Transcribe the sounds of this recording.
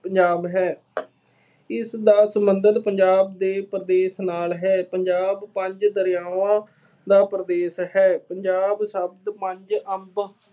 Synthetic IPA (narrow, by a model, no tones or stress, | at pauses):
pəɲd͡ʒaːbɦɛː | ɪsd̪aːsəmbənd̪əd̪pəɲd͡ʒaːbd̪eːpɾəd̪eːsnaːlɦɛːpəɲd͡ʒaːbpəɲd͡ʒd̪əɾɪjaːʋãː | d̪aːpɾəd̪eːsɦɛːpəɲd͡ʒaːbsəbd̪pə̃ɲd͡ʒəmb